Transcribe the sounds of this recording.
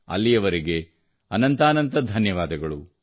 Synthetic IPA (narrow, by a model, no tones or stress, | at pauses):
ɐ̰lːijɐʋɐɾiɡe̞ | ɐnɐnt̪aːnɐnt̪ɐd̪ʱɐnjɐʋaːd̪ɐɡɐɭu